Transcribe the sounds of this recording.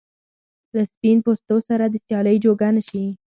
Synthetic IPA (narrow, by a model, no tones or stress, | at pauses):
laspinpost̪osaɾad̪əsjɑləjd͡ʒoɡanaʃi